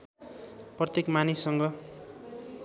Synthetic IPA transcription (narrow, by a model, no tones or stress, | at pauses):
prʌt̪jekmanisːʌŋɡʌ